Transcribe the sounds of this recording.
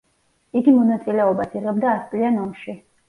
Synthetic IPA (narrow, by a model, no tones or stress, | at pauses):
iɡimɔnat̪sʼilɛɔbasiʁɛb̚d̪aːspʼlianɔmʃi